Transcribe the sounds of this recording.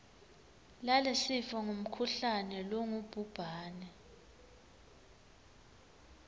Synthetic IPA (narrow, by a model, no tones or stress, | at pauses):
lalɛsifɔŋum̩kʰuɬanɛlɔŋub̥ʱub̥ʱaːnɛ